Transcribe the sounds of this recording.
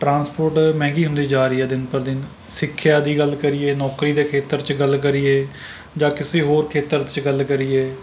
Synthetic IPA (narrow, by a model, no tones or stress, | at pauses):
ʈɾãːnspoːɾʈmɛ̃ːŋɡiːɦʊ̃nd̪iːd͡ʒaːɾiːɛːd̪ɪnpəɾd̪ɪn | sɪkʰːjaːd̪iːɡəlːkəɾiːeːnɔːkɾiːd̪eːkʰeːt̪əɾt͡ʃɡəlk̬əɾiːeː | d͡ʒãːkɪseːɦoːɾkʰeːt̪əɾt͡ʃɡəlkəɾiːeː